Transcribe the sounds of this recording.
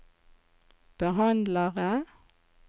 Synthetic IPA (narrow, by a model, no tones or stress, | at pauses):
b̥əhɑnd̪ləʁə